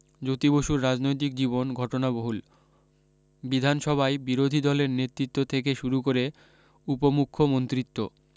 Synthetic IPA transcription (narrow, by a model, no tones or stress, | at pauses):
d͡ʑot̪iboʃuɾːad͡ʑnojt̪̬ik̚d͡ʑibonɡʱɔʈonaboɦul | bid̪ʱanʃɔbʱaebiɾod̪ʱid̪ɔleɾnet̪ːɾit̪ːot̪ʰek̬eʃuɾukoɾe | upomukʰːomont̪ɾit̪ːo̰